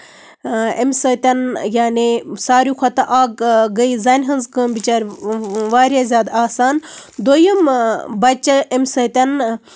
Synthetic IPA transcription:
emʲsɐt̪ʲɐnjaːnisaːɾjuxʰɐt̪ɐʔaːɡɡɐizaːnʲɦɐnzkəmbit͡ʃaːɾʲʋaːɾʲjaːzʲjaːd̪aːsaːnd̪oːjɐmbɐt͡ʃːɐemʲsɐt̪ʲɐn

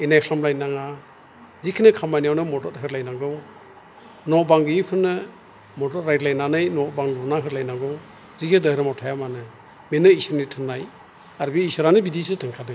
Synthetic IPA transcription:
inajkʰlamlajnaŋa | zikʰinɯkʰamajnijawnɯmɔdɔt̚ɦɯɾlajnaŋɡɔ | nɔbaŋɡɯjkʰɯnːɯ | mɔdɔt̚ɾajdlajnanɯjnɔbaŋlɔɾnaɦɯɾlajnaŋɡɔw | zikʰɯdɔjɾamawtʰajamanɯ | menɯisɯɾnitʰɯnːaj | aɾbiːsɯɾanɯbidisɯtʰɯŋkʰadɯ

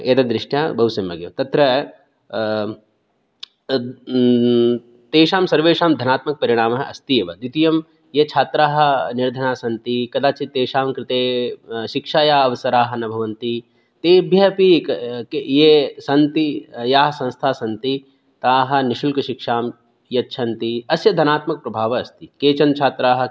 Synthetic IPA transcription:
eːt̪ɐd̪ɾɪʂʈja̰ːbɐɦusɐmɐ̰ɡjɐ̰ːt̪ɐt̪ɾɐ | t̪eːʃaːmsɐɾʋeːʃaːmd̪ʱɐnaːt̪mɐk̚pɐɾiɽ̃aːmɐɦɐʔɐst̪ijeʋɐd̪it̪ijɐm | jet͡ʃʰaːt̪ɾaːɦɐ̆niɾd̪ʱɐɳaːsɐnt̪ikɐd̪aːt͡ʃit̪eːʃaːmkɾɪt̪eːʃikʃaːjaːɐʋɐsɐɾaːɦɐ̆nɐbʱɐʋɐnt̪i | t̪eːbʱjɐpikkejesɐnt̪ijaːɦɐsɐ̃ñst̪ʰaːsɐnt̪i | t̪aːɦɐ̆niʃulkɐʃikʂaːm | jɐʃʰɐnt̪iɐsjɐd̪ʱɐnaːt̪mɐk̚pɾɐbʱaːʋɐɐst̪ikeːt͡ʃɐnt͡ʃʰaːt̪ɾaːɦɐ̆

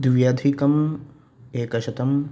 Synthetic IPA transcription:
d̪ʋjad̪ʱikɐm | eːkɐʃɐt̪ɐm

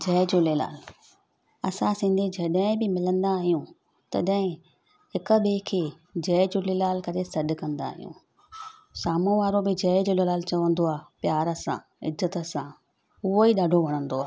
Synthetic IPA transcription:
d͡ʑɛːɪd͡ʑoːlela̰ːl | ɐsãsĩːn̆d̪ʱid͡ʑɐɗəɪ̃bɪmɪlə̃nd̪aːɦijũ | t̪ɐɗə̃ɦɪ̃ | ɦɪkə̆beːkʰeː | d͡ʑɛːɪd͡ʑoːlelaːlkɐɾesɐɗkɐ̃nd̪a̰ːɦijṵ̃ː | saːmũʋaːɾobɪd͡ʑɐːɪd͡ʑololaːlt͡ɕɐʋə̃nd̪oaːpjaːɾəsã̰ | ɪ̰zət̪ə̆sã | ʊɦoiɗaːɖʱoʋɐɽ̃ə̃nd̪oaː

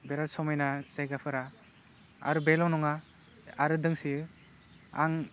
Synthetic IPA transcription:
beɾalsɔmajnazajɡapʰɯɾa | a̰ɾɯbelɔnɔŋa | aɾɯdɯŋsi | a̰ŋ

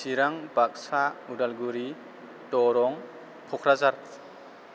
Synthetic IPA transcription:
siɾaŋbak̚saudalɡuɾi | tɔɾɔŋ | pʰɔkʰɾazaɾ

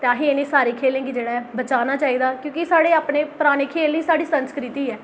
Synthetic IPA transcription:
t̪ãːɦĩenẽːsaːɾeːkʰeːlẽːɡiːd͡ʒeːɽaːɛbət͡ʃaːnaːt͡ʃaːiːd̪aːkjõːkɪsaːɽeːaːpneːpɾaːñeːkʰeːlnĩːsaːɽiːsənskɾɪt̪iːɛː

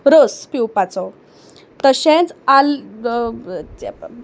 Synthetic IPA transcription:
ɾəspiwpat͡sɔ | t̪əɕɛ̃t͡sal

